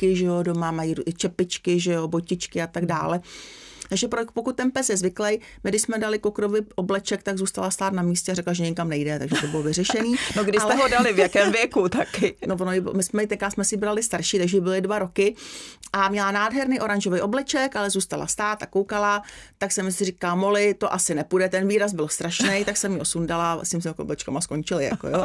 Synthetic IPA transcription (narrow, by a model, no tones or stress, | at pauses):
kɪʒɛjo̞domamajiːɾuɪt͡ʃɛpɪt͡ʃkɪʒɛjo̞bocɪt͡ʃkɪat̪aɡda̰ːlɛ | t̪aɡʒɛpɾopokut̪̚ːɛnpɛsjɛzvɪklɛj | mɪɡdɪʃsmɛdalɪkokɾovɪʔoblɛt͡ʃɛk̚t̪aɡzuːst̪alast̪aːt̪namiːscɛarɛklaʒɛɲɛkamnɛjdɛt̪aɡʒɛt̪obɪlovɪrɛʃɛniːnoɡdɪʃalɛɦodalɪvjakɛːmvjɛkut̪akɪnovonojɪbɪmɪsmɛɪt̪ɛkɾaːsmɛsɪbɾalɪst̪aɾʃiːt̪aɡʒɛbɪlɪdvaɾo̞kɪʔamɲɛlanaːdɦɛɾnijʔo̞ɾanʒovɛjʔoblɛt͡ʃɛkʔalɛzuːst̪ala̰st̪aːt̪akowkalat̪aksɛmɪsɪriːkalmolɪt̪o̞ʔasɪnɛpudɛt̪ɛnviːɾas̬bɪlst̪ɾaʃnɛjt̪aksɛmjɪosundala̰sɪmɪs̬ɪmoblɛt͡ʃkamaskoɲt͡ʃɪlɪja̰ko̰jo